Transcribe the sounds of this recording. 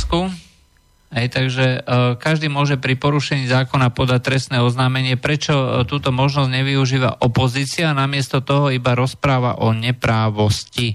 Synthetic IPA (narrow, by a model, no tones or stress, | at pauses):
ku | ɦɛjt̪aɡʒɛkaʒd̪iːmʊɔʒɛpɾipɔɾuʃɛɲiːzaːkɔnapɔd̪ac̚t̪ɾɛst̪nɛːɔznaːmɛɲɪɛpɾɛt͡ʃɔt̪uːt̪ɔmɔʒnɔzɟɲɛʋiuʒiːʋa̰ʔɔpɔziːt͡sɪaːnamɪɛst̪ɔt̪ɔɦɔibaɾɔspɾaːʋa̰ʔɔɲɛpɾaːʋɔsci